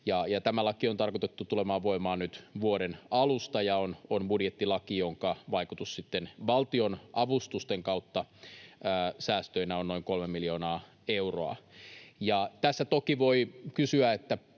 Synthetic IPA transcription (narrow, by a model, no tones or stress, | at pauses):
jɑjɑt̪æmælɑkiont̪ɑrkot̪et̪ːut̪ulemɑːʋʋoimɑːnnyt̪ʋuodenɑlust̪ɑjɑononbudjet̪ːilɑkijoŋkɑʋɑikut̪ussit̪ːenʋɑlt̪ionʔɑʋust̪ust̪eŋkɑut̪ːɑæːsæːst̪øinæonno̞iŋkolmemːilio̞ːnɑː | euro̰ɑ̰jɑt̪æsːæt̪okiʋoikysyæet̪ːæ